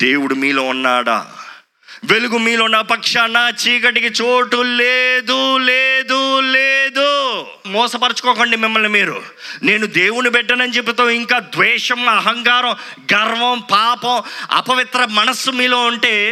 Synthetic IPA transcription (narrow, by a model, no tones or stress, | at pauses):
d̪̥eːwuɽumiːloːunːa̰ːɽa̰ː | ʋe̞luɡumiːlonːaːpɐkʂanːaːt͡ʃiːk̬ɐʈikit͡ʃoːʈuleːd̪uleːd̪uleːd̪u | mɔːsɐpɐɾɐt͡ʃu̥kɔːkoːɳɖimɪmːɐlnimiːɾṵ | ne̞ːnud̪eːwunipɛʈːɐnɐnit͡ʃep̬ːut̪oːiŋkaːd̪ʋɛːʂɐmɐɦɐŋkaːɾɐm | ɡɐɾʋɐmpaːpɐmɐ̰pɐʋit̪ɾɐmɐnɐsːumiːloːuɳʈe̞ː